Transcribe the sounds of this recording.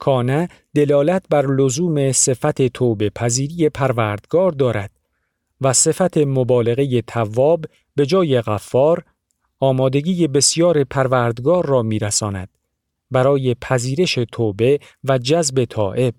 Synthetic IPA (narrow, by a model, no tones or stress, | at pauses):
kʰɒːnæ | d̪e̞lɒːlæt̪̚ʰbæɾlozuːme̞se̞fæt̪ʰe̞t̪ʰoːbe̞pʰæziːɾiːje̞pʰæɾvæːɾd̪̥ɡɒːɾd̪ɒːɾæd̪̥̚ | væse̞fæt̪ʰe̞mobɒːle̞ɣe̞je̞t̪ʰævːɒːbː | e̞d͡ʒɒːje̞ɣæfːɒːɾ | ɒːmɒːd̪e̞ɡiːje̞be̞sjɒːɾe̞pʰæɾvæɾd̪ɡɒːɾːɒːmiːɾæsɒːnæ̰d̪̥ | bæɾɒːje̞pʰæziːɾe̞ʃe̞t̪ʰoːbe̞ | væd͡ʒæzbe̞t̪ʰɒ̰ːʔe̞b̥̚